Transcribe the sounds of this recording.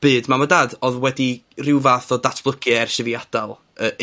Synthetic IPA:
b̥ɨːdmamɔdaːdɔðwɛdirɪwvaθɔdatʰb̥lˠəɡʰɨɛrʃəviad̥alˠ | ə

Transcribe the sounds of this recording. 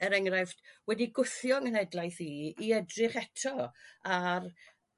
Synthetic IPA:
əɾɛŋrafd̥wɛdiɡʊθjɔŋənɛdlˠajθiiɛdrɪχɛtʰɔar

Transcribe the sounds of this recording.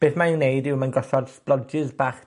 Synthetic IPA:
b̥eːθmaɪwnejdɪwmanɡɔɬɔdsplˠɔd͡ʒɪzbaːχ

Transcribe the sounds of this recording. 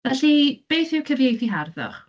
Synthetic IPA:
vɛɬib̥ejθɪwkʰəvjejθiɦarðɔ̰χ

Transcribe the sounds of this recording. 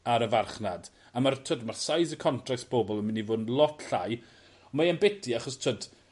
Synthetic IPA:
aɾəvarχnad | amartʰədmarsajzəkʰɔntʰrak̚sb̥oːbɔlˠənmɪnivʊːdnlˠɔtʰɬaj | ɔmaɛnbɛtʰiaχɔstʰəd

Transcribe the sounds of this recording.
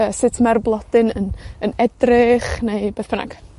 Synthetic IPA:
əsɪtʰmɛrblˠɔd̥ɨnənənɛdrɪχnejb̥eːθb̥əna̰ɡ̥

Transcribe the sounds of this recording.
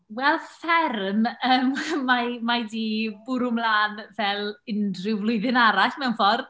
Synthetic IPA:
wɛlˠfɛrməːmːamajdiːbʊɾʊmlaːnvɛlˠɪndrɪwvlˠʊɨðɪnaɾaɬmɛwnfɔr

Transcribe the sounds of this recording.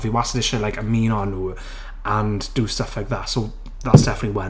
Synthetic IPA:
viwasədɪʃəilaɪkəmiːnɔənuː | ʔə̃nd̥əstəflaɪjk̚ðatsoʊ | ðatsd̥ɛfənətˡliwɛ

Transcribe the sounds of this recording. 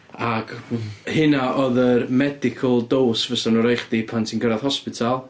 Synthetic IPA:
aɡ̥hɪnaʔɔðərmɛdɪkʰəlˠdoːsvəsanuɾejχdipʰantʰinɡəɾað̥hɔspɪtʰalˠ

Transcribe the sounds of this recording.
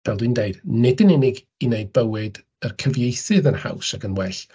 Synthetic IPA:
v̥ɛlˠdindeɨdnɪdənɪnɪɡ | ineɨd̚bəwɪd | ərkʰəvjejθɨðənha̰wsaɡənwɛɬ

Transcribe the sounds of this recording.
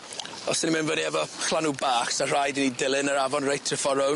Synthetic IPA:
ɔsənimɪnvədiɛvɔχlˠanubaːχsar̥ajdinidɪlˠɨnəɾavɔnrejtʰrɪfɔɾɔw

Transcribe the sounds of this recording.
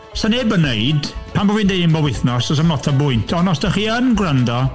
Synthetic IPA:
saneːbənejdpʰambɔvɨndejɪnbɔwɪθnɔsɔs̬amlˠɔtʰabʊɨntʰɔnɔsd̥əχiːənɡrəndɔ

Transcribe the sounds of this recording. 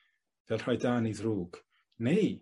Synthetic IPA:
vɛlˠr̥ɔjdaːniðruːɡ̥ | nej

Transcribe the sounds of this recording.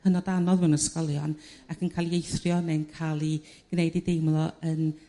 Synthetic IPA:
ənɔdanɔðmɪwnəskɔlˠjɔnakʰənkʰajlˠiejθrjɔnɛnkʰaːlˠi | ɡ̥nejdidejmlˠɔən

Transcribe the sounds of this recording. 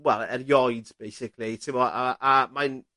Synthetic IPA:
wɛlˠɛɾjɔjdb̥ejsɪkʰlitʰɪmɔa̰ʔamajn

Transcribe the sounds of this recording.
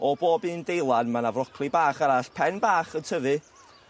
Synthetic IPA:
ɔboːbɨːndejlˠanmanavrɔkʰlˠibaːχaɾaɬpʰɛnbaːχəntʰəðɨ

